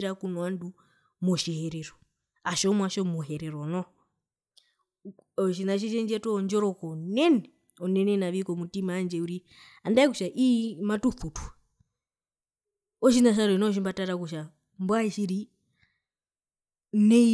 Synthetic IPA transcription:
ɾakunwandu | mɔʃiɦɛɾɛɾɔ | aʃɔmwaʃɔmuɦɛɾɛɾɔnɔ | ɔʃinaʃ̬iʃɛnd͡ʒɛtɔnd͡ʒɔɾɔkɔnɛnɛ | ɔnɛnɛnaʋikɔmutimaːnd͡ʒɛuɾi | andaikuʃaʔimatufutwa | ɔʃinaʃ̬aɾɔnɔʃ̬imbataɾakuʃa | mbwaiʃiɾi | nɛ

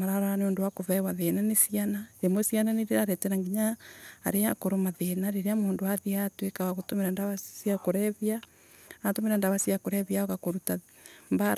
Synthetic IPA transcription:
aɾaɾaaneondowakoβɛwaðenanesianaemosiananeɾeɾaɾɛteɾaŋɡiɲa̰ːɾeakoɾomaðenaɾeɾeamoːndoaðeatwekawaɣotomeɾandaβasiakoɾɛβia | atomeɾandaβasiakoɾɛβiaoɣakoɾuta | mbaɾ

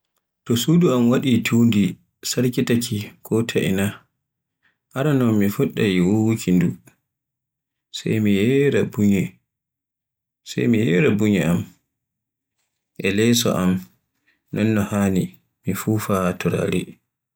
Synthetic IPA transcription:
tɔsuduamwaɗitʰuwndi | saɾkitakʰikʰɔtʰaʔḭna | ʔaɾanɔnmifuɗːajiwowkʰindu | sɛ̰jmijɛɾabuɲɛ | sjmijɛɾabuɲɛam | ʔɛlɛsɔ̰ʔam | nɔnːɔhaːni | mifuːfatuɾa̰ɾi

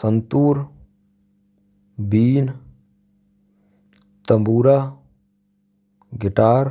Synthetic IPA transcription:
sənt̪uːɾ | biːn | t̪əmbuːɾa | ɡɪʈaːɾ

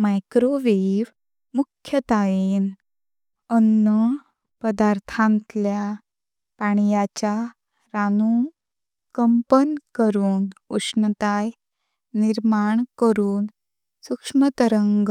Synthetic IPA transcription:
majkɾoʋeʋ | mukʰjət̪aen | ənːə | pəd̪aɾt̪ʰãnt̪lja | paɳ̃ijat͡ɕa | ɾanũ | kəmpənkəɾuːnuʂnət̪aj | niɾmaɳkəɾuːn | sukʂmət̪əɾəŋɡ

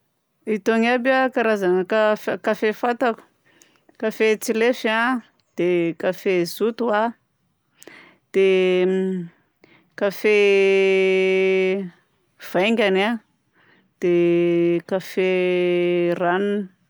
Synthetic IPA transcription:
it̪oŋabakaɾazaŋəkafkafefat̪aku̥ | kafet͡silefia | d̪̥ekafezut̪ua | d̪̥e | kafe | v̥ajŋɡʲana | d̪̥e | kafe | ranuni̥

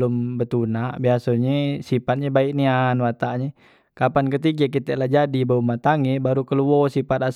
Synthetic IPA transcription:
lʊmbət̪unaʔbiasoɲesipat̪̚ɲebaik̚nianwat̪aʔɲe | kapankət̪iɡak̬it̪ɛʔlahd͡ʒadibaumat̪aŋɛbaɾukəluɔsipat̪as

